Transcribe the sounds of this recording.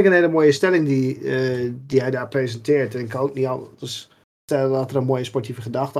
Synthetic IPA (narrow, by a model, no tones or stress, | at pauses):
kənheːləmojəstɛlɪŋdi | diɦɛjdaːprezɛntʰɪərtɛnkʰɔok̚niɔnəs | tɛlˠəndɔtərənmojəspɔrtʰivəχədaxtə